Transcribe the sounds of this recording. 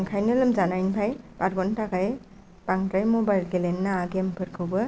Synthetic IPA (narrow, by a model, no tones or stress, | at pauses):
ŋkʰajnɯlɯmzanajnpʰajbaɾɡɔntakaj | paŋtɾajmɔbajlɡelenːaːɡempʰɯɾkʰɯwbɯ